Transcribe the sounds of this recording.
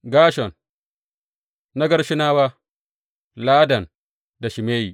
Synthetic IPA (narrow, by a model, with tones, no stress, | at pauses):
ɡaː˦ʃɔ˨n | na˦ɡɐ˦ɾʃi˦naː˦wa˦ | laː˦dɐ˨n | da˨ʃi˨meː˦ji˨